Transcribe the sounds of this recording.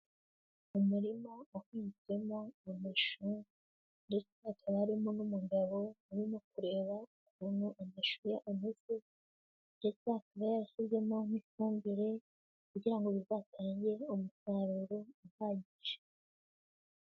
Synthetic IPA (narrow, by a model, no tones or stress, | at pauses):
umuɾimaakwiːnt͡se̞mo̞ameʃu | ndet͡sakʰaβaɾimo̞nomuɡaβo̞uɾimo̞kuɾe̞ːβaukunuʔameʃujaʔumuze | nde̞t͡sakaβajaɾaçizɡe̞mo̞nifuːmbiɾe̞ | kuɟiɾaŋɡoβizataːɲɟe̞omusaːɾuɾoumaːɟiʃe̥